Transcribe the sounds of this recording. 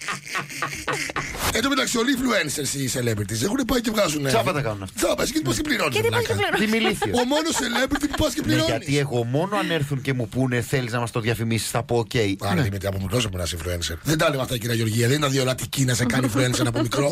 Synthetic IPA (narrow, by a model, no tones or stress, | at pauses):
end̪omet̪ɐksiolifluenseɾsiselebiɾt̪is̬exunepɐicevɣɐzunzɐpɐt̪ɐkɐnunɐft̪t͡sɐpɐsicet̪uupɐskepliɾoniimiliθioomo̞noselebiɾt̪ipupɐscepliɾoʝɐntiie̞ɣo̞mo̞noɐne̞ɾθuɲce̞mupune̞θe̞liznɐmɐst̪oðʝɐfimisi̥sθɐpo̞ːce̞iɐɾðimit̪iɐpomut̪ɾosepmenɐsifluenseɾðend̪ɐlevɐft̪ɐciɾɐʝo̞ɾʝiɐðenid̪ɐðiolɐt̪icinɐsekɐnifluenseɾnɐpomikɾo